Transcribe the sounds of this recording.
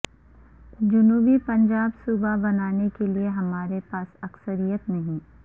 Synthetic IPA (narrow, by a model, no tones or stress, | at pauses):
d͡ʒʊnuːbipɐ̃ɲd͡ʒaːbsuːbabɐnaːnekelieɦɐmaːɾepaːsɐksəɾijət̪nɐɦĩ